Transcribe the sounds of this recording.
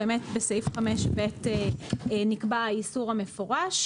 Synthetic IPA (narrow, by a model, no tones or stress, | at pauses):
eːmetbesejfχameʃbetenikbaisuʁame̞fo̞ʁaʃ